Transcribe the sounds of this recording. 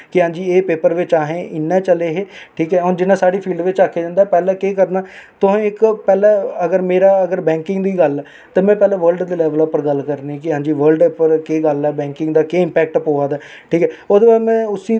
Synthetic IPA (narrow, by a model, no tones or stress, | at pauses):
kɪɦãːɲd͡ʒiːeːpeːpəɾʋɪt͡ʃaːɦẽːʔɪnːɛːt͡ʃəleːɦeːʈʰiːkɛːoːnd͡ʒɪnːãːsaːɽiːpʰiːlɖʋɪt͡ʃaːkʰːeːd͡ʒãːnd̪aːpɛːlɛːkeːkəɾnaːt̪ʊɦãːɪkpɛːlɛːəɡəɾmeːɾaːəɡəɾbɛ̃ːŋkɪŋɡd̪iːɡəlɛ | t̪ãːmɛ̃ːpɛːlɛ̃ːʋəɾlɖd̪elɛːʋəlaːpəɾɡəlkəɾniːkɪɦãːɲd͡ʒiːʋəɾlɖpəɾkeːɡəlɛːbɛ̃ːŋkɪŋɡd̪aːkeːɪmpɛːk̚ʈpoːaːd̪ɛː | ʈʰiːkɛːoːd̪eːbaːmɛ̃ːʊsiː